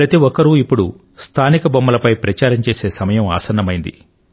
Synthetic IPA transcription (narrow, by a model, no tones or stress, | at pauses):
pɾɐt̪iʋɔkːɐɾuipːuɽu | st̪ʰaːnikɐbɐmːɐlɐpɐjpɾɐt͡ʃaːɾɐmt͡ʃe̞ːse̞ːsɐmɐjɐma̰ːsɐnːɐmɐjind̪ḭ